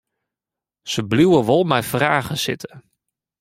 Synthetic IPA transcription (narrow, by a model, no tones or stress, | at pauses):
səbliwəʋɔlˠmɛjfraːɣəsɪ̰tə